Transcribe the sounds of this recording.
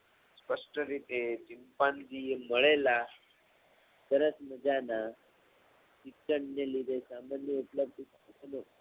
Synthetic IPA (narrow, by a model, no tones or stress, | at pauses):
spəʂʈəɾit̪eʈimpãnd̪iməɭela | t̪əɾə̃sməd͡zana | sikəɳnelid̪esamanjəupləb̚d̪ʱis | kəno